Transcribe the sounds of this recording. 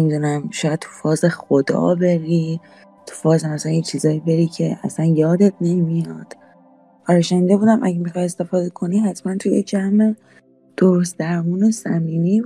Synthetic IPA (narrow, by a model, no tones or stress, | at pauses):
nemid̪uːnæmʃɒːjæd̥̪̚t̪ʰu̥fɒːzexod̪ɒ̰ːbe̞ɾiː | t̪ʰu̥fɒːzemæsænjet͡ʃʰiːzɒːibe̞ɾiːcʰe̞æ̰sænjɒːd̪et̪̚ʰne̞mijɒd̪̥ | ʔɒɾeʃænnd̪ebuːd̪æmʔæ̰ɟemixɒje̞st̪e̞fɒːd̪e̞kʰo̞nihæt̪ʰmænt̪ʰujed͡ʒæme | d̪̥oɾost̪d̪æɾmuːnosæmiːniː